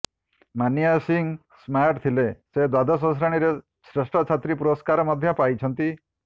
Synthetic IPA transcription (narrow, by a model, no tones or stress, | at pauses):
manjasiŋ | smaʈt̪ʰilesed̪wad̪as̬ɔ̃s̬ɾaɽ̃iɾe | sɾesʈʰɔt͡ʃʰat̪ɾipuɾɔskaɾɔmɔd̪ʱjɔpajt͡ʃʰɔnt̪i